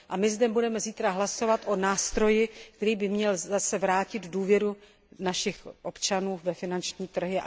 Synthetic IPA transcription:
ʔamɪzdɛbudɛmɛziːt̪ɾaɦlaso̞vat̪ʔonaːst̪ɾo̞jɪkkt̪ɛɾiːbɪmɲɛlzasɛvɾaːcɪd̪duːvjɛɾu | naʃɪxʔo̞pt͡ʃanuːvɛfɪnant͡ʃɲiːt̪r̩ɦɪa̰

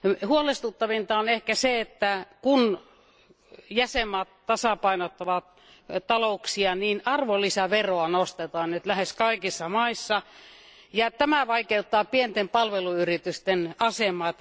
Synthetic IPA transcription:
huolest̪ut̪ːɑʋint̪ɑonehkæseet̪ːækun | jæsemːɑːt̪t̪ɑsɑpɑinot̪ːɑʋɑt̪̚ | t̪ɑlouksiɑniːnɑrʋolːisæʋeroɑnost̪et̪ɑːnet̪læheskɑikisːɑmɑisːɑ | jɑt̪æmæʋɑikeut̪ːɑːpient̪empɑlʋeluyrit̪yst̪enɑsemˑɑːt̪

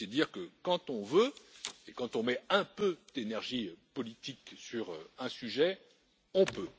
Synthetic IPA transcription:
ed̪iːʁkəkɑ̃t̪ɔ̃vøekɑ̃t̪ɔ̃mɛɛ̃pød̪̥enɛʁʒipɔlit̪iksyʁɛ̃syʒɛ | ɔ̃pø

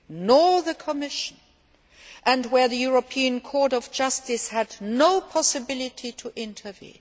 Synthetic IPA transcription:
nɔɹðɨkʰəmɪʃə̃n | ʔɨ̃nwə˞ðɨjuɹəpʰiɨ̃nkʰɔɹɾʌvd͡ʒʌstɨshɨdⁿnoʊpʰɑsɨbɪlˠɪtʰitʰəʔɪ̃ntʰə˞vḭ̃n

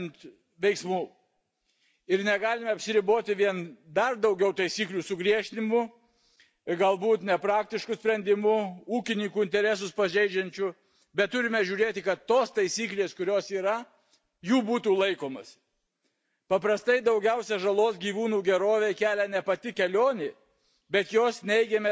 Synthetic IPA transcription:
nt̪ | ʋʲɛɪksmuː | ɪɾnʲɛɡɑːlʲɪmʲɛɐpʲsʲɪɾʲɪboːt̪ʲɪʋʲiɛnd̪ɐrd̪ɒʊɡʲɛʊt̪ɐɪsʲiːklʲuːsʊɡɾʲiɛʃʲt̪ʲɪnʲɪmʊ | ɡɐlˠbuːt̪nʲɛpɾɑːk̚t̪ʲɪʃkʊsʲpʲɾʲɛnʲd̪ʲɪmʊuːkʲɪnʲɪŋkuɪnʲt̪ʲɛɾʲɛsʊspɐʒʲɛɪd͡ʒʲɛnʲt͡ʃʲʊ | bʲɛt̪̚t̪ːʊɾʲɪmʲɛʒʲuːɾʲeːt̪ʲɪkɐt̪t̪ːoːst̪ɐɪsʲiːklʲeːskʊɾʲoːsiːɾɐ | juːbuːt̪uːlˠɐɪkoːmɐs | pɐpɾɐst̪ɐɪd̪ɐʊɡʲɛʊsʲɛʒɐlˠoːsɡʲiːʋuːnuːɡʲɛɾoːʋʲekʲæːlʲɛnʲɛpɐt̪ʲɪkʲɛlʲoːnʲe | bʲɛt̪joːsnʲɛɪɡʲɛmʲɛ

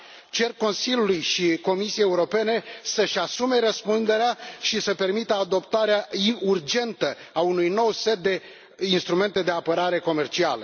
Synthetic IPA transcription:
t͡ʃe̞rkkːo̞nsilʲjulujʃiko̞misiejeuɾo̞pe̞ne̞səʃasume̞ɾəspund̪e̞ɾeaʃisəpe̞rmit̪əad̪o̞pt̪aɾeaiurd͡ʒe̞nt̪ə | aunujno̞wse̞t̪̚d̪e̞ | inst̪ɾume̞nt̪e̞d̪e̞apəɾaɾe̞ko̞me̞rt͡ʃialə

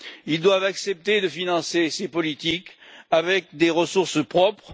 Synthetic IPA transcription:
ild̪wavaksɛp̚t̪ed̪əfinɑ̃sesepɔlit̪ikavɛk̚d̪eʁəsuʁsəpχɔpχ

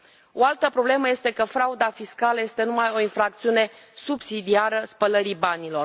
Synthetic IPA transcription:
o̞alt̪əpɾo̞ble̞məje̞st̪e̞kəfɾaud̪afiskaləje̞st̪e̞numajo̞infɾak̚t̪siune̞ | subsid̪iaɾəspələɾibanilo̞r

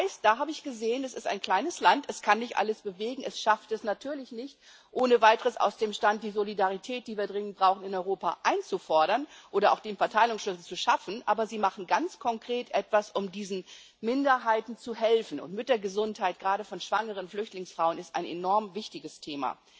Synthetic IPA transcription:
ɪstd̥aːɦaːbəɪçɡ̥əzeːənasɪstaɪnkʰl̥aɪnəslantɛskʰanːɪçtʔa̰ləsb̥əveːɡŋ̩ɛsʃaftɛsnatʰyːɐlɪçnɪçt | ʔoːnəvaɪtəʁəsa̰ʊsd̥eːmʃtant̚d̥iːzolidaʁitʰɛːt̚d̥iːviːɐdʁɪŋənt̚b̥ʁaʊxn̩ɪnɔʏʁoːpa̰ʔaɪnt͡sufɔɐɾɐnʔʔoːɾɐʔa̰ʊxd̥eːnfɛɐtʰaɪlʊŋsʃlʏsl̩t͡suʃafn̩ʔa̰ːbɐziːmaχn̩ɡant͡skʰɔŋkʁ̥eːtʔɛtv̥asʊmdiːzn̩ | mɪndɐɦaɪtn̩t͡suɦɛlfn̩ʊ̰ntmɪt̚d̥eɐɡəzʊnthaɪt̚ɡ̥ʁaːɾəfɔnʃv̥aŋəʁ̞ənflʏçtlɪŋsfʁ̥aʊənɪstʔaɪnḛnɔɐmvɪçtɪɡəstʰeːma̰

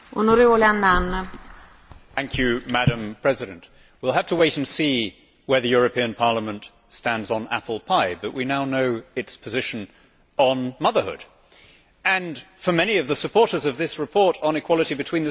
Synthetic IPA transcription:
onoɾevoleanːanːa | θæ̃ŋkʰjʉmæɾɨ̃mpʰɹ̥ɛzɨɾɨ̃nʔ | wilˠɦəftʰəweɪɾ̃n̩si | wə˞ðɨjʊɹɨpʰĩɨ̃npʰɑɹləmə̃nt | stæ̃ndzn̩æ̰pl̩ˠpʰaɪbʌʔwʔinaʊnoʊɨtspʰɨzɪʃɨ̃n | ə̃nmʌðə˞hʊ̰d̥ | ɨ̃nfə˞mɛñiʌvðəsɨpʰɔɹɾə˞zʌvðɪsɹɨpʰɔɹɾn̩ɨkʰw̥ɑlˠəɾibɨtʰw̥ĩnðɨ

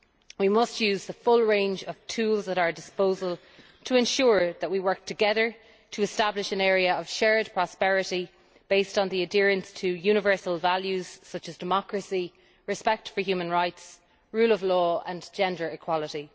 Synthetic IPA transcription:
wimʌstjʉːzðəfʊlɹẽɪ̃nd͡ʒəv̥tʰuːlzðəɾəədɪspoʊzəlˠ | tʰəɛ̃nʃʊːɹðəʔ̚wiwɜ˞k̚tʰəɡɛðə˞ | tʰəɪstablɪʃə̃nɛːɹiəəv̥ʃɛɹd̚pʰɹ̥ɔspɛɹɪɾi | b̥eɪstn̩ðiədɪɹə̃nstʰəjʉñəvɜ˞səlˠvaljʉz̥sʌt͡ʃəzdəmɑkɹəsi | ɹɨspɛk̚tfə˞hjʉːmə̃nɹaɪts | ɹuːləvlɔːə̃nd͡ʒɛ̃ndə˞ɪkʰw̥ɑləɾi

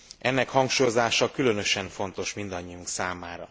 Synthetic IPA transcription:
ʔɛnːɛkhɒŋkʃuːjo̞zaːʃɒkylø̞nø̞ʃɛɱfo̞nt̪o̞ʃmind̪ɒɲːiuŋksaːmaːɾɒ̰

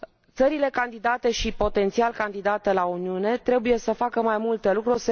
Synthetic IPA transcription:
t̪səɾile̞kand̪id̪at̪e̞ʃipo̞t̪e̞nt̪sialkand̪id̪at̪elauniune̞t̪ɾe̞buje̞səfakəmajmult̪e̞lukɾurʲse

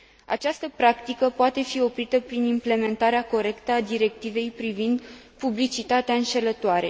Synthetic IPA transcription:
a̰t͡ʃast̪əpɾakt̪ikəpoat̪e̞fio̞pɾit̪əpɾinimple̞me̞nt̪aɾeako̞ɾe̞kt̪əad̪iɾe̞k̚t̪ive̞jpɾivind̪publit͡ʃit̪at̪eaɨnʃe̞lət̪oaɾe̞̰

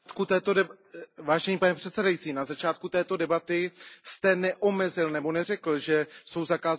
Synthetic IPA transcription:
t̪kut̪ɛːt̪o̞dɛ | vaːʒɛɲiːpanɛpr̝̥ɛt̪sɛdajitt͡siːnazat͡ʃaːt̪̚kut̪ɛːt̪o̞dɛbat̪ɪst̪ɛnɛʔo̞mɛzɪlnɛbo̞nɛr̝ɛkl̩ʒɛso̞wzakaː

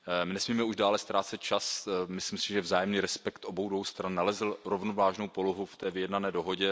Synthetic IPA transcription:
mɪnɛsmiːmɛuʒdaːlɛst̪ɾaːt͡sɛt̪̚t͡ʃasmɪslɪmsɪʒɛvzaːjɛmniːɾɛspɛkt̪ʔobowdvo̞wst̪ɾanːalɛzl̩ɾovnovaːʒnowpoloɦuft̪ɛːvɪjɛdnanɛːdo̞ɦo̞ɟɛ

